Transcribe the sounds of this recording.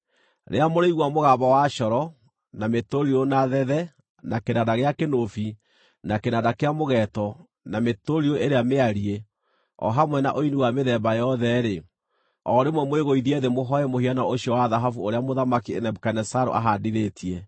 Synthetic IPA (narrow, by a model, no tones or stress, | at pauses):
ɾḛamoɾeiɣwamoɣaβawaʃɔɾɔ | nametoɾiɾonaðɛðɛ | nakenadaɣeakenofi | nakenadakeamoɣɛtɔ | nametoɾiɾoʔeɾeameaɾie | ɔ̰ɦamwɛna̰ʔoiniwameðɛbajɔðɛɾe | ɔɾemwɛmweɣoiðiɛðemoɦɔɛmohianaoɕjɔwaðaɦafuoɾeamoðamakienɛbukanɛsaɾo̰ʔa̰ɦadiɾetʰiɛ